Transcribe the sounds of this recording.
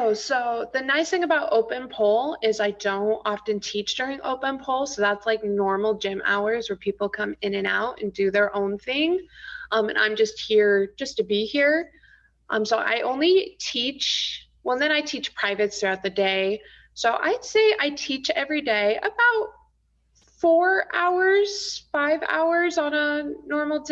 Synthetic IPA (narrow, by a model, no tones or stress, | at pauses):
ʊsoʊðɨnaɪsθɪ̃ŋɨbaʊɾoʊpɨ̃npʰolˠɪzaɪdõʊ̃ntɑftɨ̃ntʰit͡ʃd̥ʊɹɪ̃ŋʔo̰ʊpɨ̃npʰolˠsoʊðætslaɪk̚nɔɹml̩ˠd͡ʒɪ̃mʔa̰ʊə˞zwə˞pʰipl̩ˠkʰʌ̃mɪ̃nɨ̃na̰ʊɾɨ̰̃ndɨðə˞ʔõʊ̃nθɪ̃ŋʔʌ̃mɨ̰̃nʔã̰ɪ̃md͡ʒʌst̚hiɹd͡ʒʌstɨbihiɹ | ʔʌ̰̃msoʊʔa̰ɪʔõʊ̃nlitʰit͡ʃ | wɛlˠðɨ̃ɾ̃aɪtʰit͡ʃpʰɹ̥aɪvɨtsθɹʉaʊt̪̚ðɨdeɪ | soʊʔa̰ɪd̥seɪʔaɪtʰit͡ʃɛvɹideɪʔə̰baʊt̚ | fɔɹʔaʊə˞z̥faɪva̰ʊə˞zn̩ənɔɹml̩ˠ